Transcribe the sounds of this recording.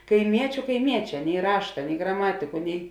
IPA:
kɐɪˈmʲiɛt͡ʃʲʊ kɐɪˈmʲiɛˌt͡ʃʲɛː nʲɛɪ ˈrɑːʃtɐ nʲɛɪ ɡrɐˈmɑːtʲɪkʊ nʲɛɪ

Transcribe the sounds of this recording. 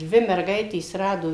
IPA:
ˈdʲʋʲɪ mʲɛrˈɡɐɪtʲeːs ˈrɑːdoː

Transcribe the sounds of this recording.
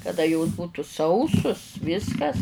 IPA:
kɐˈdɐ joːs buːtʊ ˈsɐʊsʊs ˈʋʲɪskɐs

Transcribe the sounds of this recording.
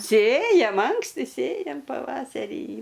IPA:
ˈsʲeːjɛm ˈɐŋksʲtʲɪ ˈsʲeːjɛm pɐˈʋɑːsʲɛrʲiː

